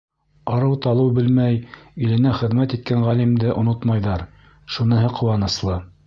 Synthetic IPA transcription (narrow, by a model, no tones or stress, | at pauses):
ɑɾɤwt̪ɑlˠɤwbɘlmæjilɘ̆næχɘ̆ðmæt̪it̪̚kæɴʁælimd̪ɘʔŏnot̪mɑjðɑɾ | ʃunɤ̆ɦɤqʰŏwɑnɤ̆slˠɤ